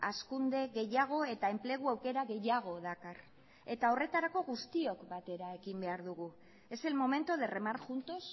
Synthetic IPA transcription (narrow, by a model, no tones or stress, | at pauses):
askund̪e̞ɣe̞jaɣ̞o̞e̞t̪ae̞mple̞ɣ̞uawke̞ɾaɣe̞jaɣ̞o̞ðakar | e̞t̪ao̞re̞t̪aɾako̞ɣust̪io̞kbat̪e̞ɾaeɣimbe̞aɾðuɣ̞u | e̞se̞lmo̞me̞nt̪oðere̞maɾxunt̪o̞s